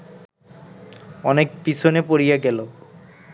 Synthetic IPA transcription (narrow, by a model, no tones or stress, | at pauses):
ɔnekpit͡ɕʰonepoɾijaɡɛlo